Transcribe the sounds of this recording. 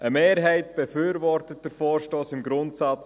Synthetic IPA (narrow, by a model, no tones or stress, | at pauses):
ʔəmeːɾɦɛɪt̚b̥ɛfʏːɾvɔrtət̚d̥əɾfɔːɾʃtoːsɪmɡɾʊntsɑt͡s